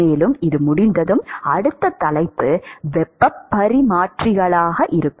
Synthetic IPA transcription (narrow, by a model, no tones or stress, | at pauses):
eːlɯmɪðɯmʊɽɪnd̪ɐðɯmɐɽɯt̪ːɐt̪ɐlɐɪpːɯʋɛpːɐpːɐɾimaːʈrɪɣɐɭaːɣɐʔɪɾɯkː